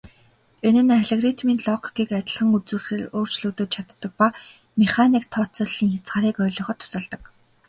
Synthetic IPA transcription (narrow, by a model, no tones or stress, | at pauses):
enɘ̆naɮeɣrit̪miːnɮɔkkiːkat̪ʲə̆ɮχə̆ŋut͡sɘ̆rxɘ̆roːr̥t͡ɕɮɵ̆kt̪ŏːt̪̚t͡ɕʰat̪ːə̆k̚pa | meχanikt̪ʰɔt͡sʊɮiːŋxʲat͡sχaːɾiːkœːɮɞ̆χɞ̆t̪ʰːʊ̥sə̆ɮt̪ə̆k